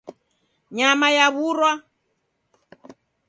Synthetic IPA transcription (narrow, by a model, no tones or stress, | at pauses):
ɲamajaβuɾwa